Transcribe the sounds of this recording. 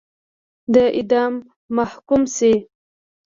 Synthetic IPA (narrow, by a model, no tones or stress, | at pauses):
d̪əʔɪd̪ɑmː | ahkumsi